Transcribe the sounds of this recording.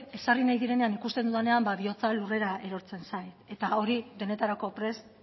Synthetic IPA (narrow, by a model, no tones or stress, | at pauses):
e̞sarinajðiɾe̞ne̞anikust̪e̞nd̪uðene̞ambaβio̞t͡salure̞ɾae̞ɾo̞ɾt͡se̞nsajt̪e̞t̪ao̞ɾiðe̞ne̞t̪aɾako̞pɾe̞s